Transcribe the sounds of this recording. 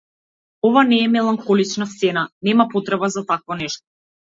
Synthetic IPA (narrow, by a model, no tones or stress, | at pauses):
ɔvanɛːmɛlˠaŋxɔlit͡ʃnast̪sɛnanɛmapɔt̪ɾɛbazat̪akvɔnɛʃt̪ɔ̥